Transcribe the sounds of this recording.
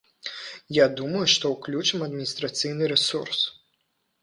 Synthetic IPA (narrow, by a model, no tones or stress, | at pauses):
jad̪umɐjuʂt̪ɔwklʲut͡ʂɨmɐd̪mʲinʲist̪ɾat̪sɨjnɨɾɛsurs